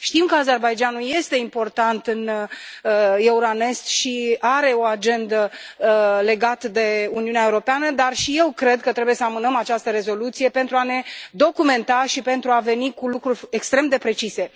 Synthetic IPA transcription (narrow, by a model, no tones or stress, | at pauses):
ʃt̪imkəaze̞rbajd͡ʒanuje̞st̪e̞impo̞rt̪ant̪ɨn | je̞uɾane̞st̪ʃiaɾe̞o̞ad͡ʒe̞nd̪ə | le̞ɡat̪əd̪e̞uniunaeuɾo̞peanəd̪arʃije̞wkɾe̞d̪̚kət̪ɾe̞bujesəamɨnəmat͡ʃast̪əɾe̞zo̞lut̪sije̞pe̞nt̪ɾuane̞d̪o̞kume̞nt̪aʃipe̞nt̪ɾuave̞nikulukɾurʲe̞kst̪ɾe̞md̪e̞pɾe̞t͡ʃise̞